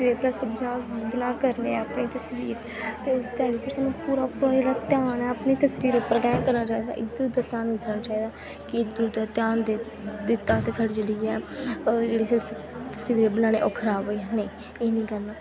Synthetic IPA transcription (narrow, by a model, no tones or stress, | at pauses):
seːpɾəsbənaːbənaːkəɾneːəpniːt̪əsʋiːɾ | t̪eːʊsʈɛːliːpəɾsaːnũːpuːɾaːpuːɾaːd͡ʒeːɽaːt̪jaːnɛːəpniːt̪əsʋiːɾʊpːəɾɡɛːkəɾnaːt͡ʃaːiːd̪a̰ːʔɪkd̪ʊɾud̪aːt̪jaːnĩd̪əɾnaːt͡ʃaːiːd̪aː | kɪd̪ɾd̪aːt̪ɪjaːnd̪e | d̪ɪt̪ːaːt̪eːsaːɽiːd͡ʒeɽiːɛːd͡ʒeːɽiːseɾs | t̪əsʋiːɾebənaːɽ̃ḛːʔokʰɾaːboinẽː | eːnĩːkəɾnaː